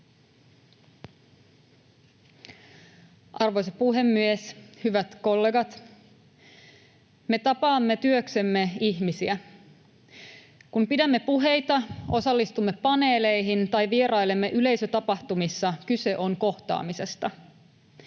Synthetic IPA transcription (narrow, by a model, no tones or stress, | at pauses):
ʔɑrʋo̞js̬ɑpuɦe̞mːieshyʋæt̪ko̞lːe̞ɡɑt̪ | me̞t̪ɑpɑːmːe̞t̪yøkse̞mːe̞içmisiæ | kumpidæmːe̞puɦe̞jt̪ɑo̞sɑlːist̪umːepɑne̞ːle̞jɦint̪ɑjʋieɾɑjlemːeʔyle̞jsøt̪ɑpɑht̪umisːɑkyse̞ʔo̞ŋko̞ht̪ɑ̰ːmise̞st̪ɑ